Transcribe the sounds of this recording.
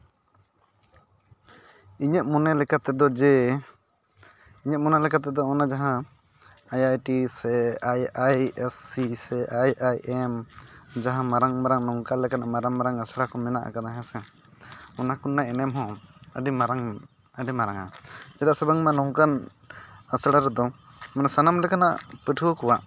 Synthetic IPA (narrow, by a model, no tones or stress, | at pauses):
iɲəʔ̪̚mɔnɛlɛkat̪ɛd̪ɔd͡ʒɛ | iɲət̪̚mɔnɛlɛkʰat̪̬ɛd̪ɔɔnad͡ʒaɦã | ajajʈisɛajajɛsːisɛʔajajʔɛmd͡ʒaɦãmaɾaŋmaɾaŋnɔŋkalɛkanamaɾaŋmaɾaŋəsɽakɔmɛnaʔa̰kanaɦãsɛ | ɔnakunːaɛnɛmɦɔ̃əɖimaɾaŋ | əɖɛmaɾaŋa̰d͡ʒɛd̪asabaŋmanɔŋkan | əsɽaɾɛd̪ɔ | mɔnasanamlɛkana̰ʔpəʈʰukɔwaʔ